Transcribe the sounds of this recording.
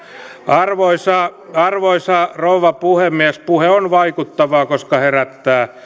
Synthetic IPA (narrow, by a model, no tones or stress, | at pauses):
ɑrʋoisɑː | ɑrʋoisɑːrouʋɑpuhemːiæspuheonʋɑikut̪ːɑʋɑːkoskɑheræt̪ːæː